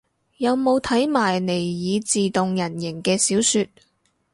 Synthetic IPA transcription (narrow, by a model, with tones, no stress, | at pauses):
jɐ˨˧wmo˨˧wt̪ʰɐ˨˥jmaː˨˩jne˨˩jjiː˨˧t͡siː˨t̪ʊ˨ŋjɐ˨˩njɪ˨˩ŋkɛː˧siː˨˥wsyː˧t̚